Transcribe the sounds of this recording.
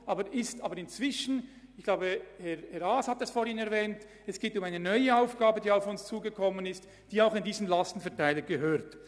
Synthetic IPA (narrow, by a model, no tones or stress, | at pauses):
ʔɑːbəɾʔɪstaːbəɾɪnt͡sv̥ɪʃn̩ | ɪçkɡ̥laʊbəhɛʁhɛɾaːshatdɛsfoːɾhɪnɛɾvɛːnt | ɛsɡ̥eːtʊmaɪnənɔʏəaʊfɡ̥aːbədiːaʊfʊnst͡suːɡəkʰɔmənɪst | d̥iːaʊxɪndiːzəm̩nlastn̩fɛɐtaɪləɡ̥əɦøːɾt